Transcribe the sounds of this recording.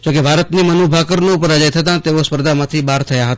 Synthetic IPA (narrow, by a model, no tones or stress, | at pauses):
d͡ʒokebʱaɾət̪nimənobʱakəɾnopəɾad͡ʒajt̪ʰət̪ãt̪eʋospəɾd̪ʱamãt̪ʰibaɾt̪ʰəjaɦət̪a